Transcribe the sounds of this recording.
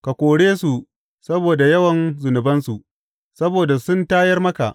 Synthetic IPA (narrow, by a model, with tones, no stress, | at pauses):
ka˨kʷoː˨ɽeː˦su˨ | sɐ˦boː˨da˨jɐ˦wɐ˨nzʊ˨nʊ˨bɐ˦nsu˨ʔ | sɐ˦boː˨da˨sʊ˦ntaː˦jɐ˦rmɐ˦ka̰˨ʔ